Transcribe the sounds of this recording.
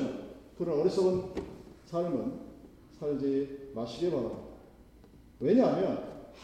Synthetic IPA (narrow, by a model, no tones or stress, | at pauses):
kɯɾʌɾʌɾis͈ʌɯnsʰaɭmɯn | sʰaɭd͡ʑemaɕʰiɡe̞paɾamda | we̞ɲamjʌnh